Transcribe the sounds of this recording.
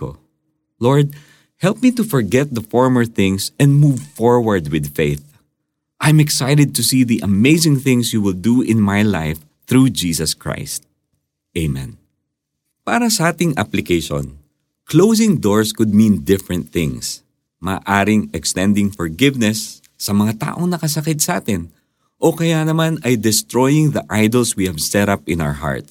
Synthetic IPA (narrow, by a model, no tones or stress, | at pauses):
o̰ | lɔɹd̪̚ | hɛlp̚mit̪ufɔɹɡɛt̪̚d̪ɐfɔɹməɹθɪ̃ŋsɛ̃nd̪muvfɔɹwɐɹd̪wɪd̪̚feɪθ | ʔãjmɛksajɾɛd̪̚t̪ʊsiːðiʔɐmeɪsɪ̃ŋθɪ̃ŋsjuwɪlˠd̪uʔɪ̃nmajla̰ɪf | θɹud͡ʒiːsɐskɹa̰ɪst̪̚ | ʔeɪmɛ̰̃n | paːɾɐsɐʔaːt̪ɪŋʔɐ̰plɪkejʃõ̰n | klows̬ɪ̃ŋd̪oɹskʊd̪̚mĩnd̪ɪfɹɐ̃nt̪̚θɪ̰̃ŋs | mɐ̰ːʔaːɾɪŋɛkst̪ɛ̃nd̪ɪŋfɔɹɡɪvnɛsː | ɐmɐŋat̪a̰ːʔoŋnɐkɐsɐkɪt̪̚sɐʔaːt̪ɪn | ʔokɐjanɐmanɐjd̪ɛst̪ɹojɪŋðɐʔajd̪ɐlswihɐvsɛɾapɪ̃na̰wə˞ɦa̰ɹt̪̚s